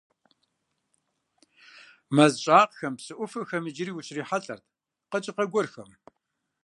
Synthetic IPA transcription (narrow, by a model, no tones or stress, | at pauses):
mɐzɕʼaːqxɐmpsɨʔʷʊfɨxɐmɨd͡ʒɪɾiːwʊɕriːħaɬʼɐrt̚ʰ | qət͡ʃʼɪqɐɡʷɔrxɐm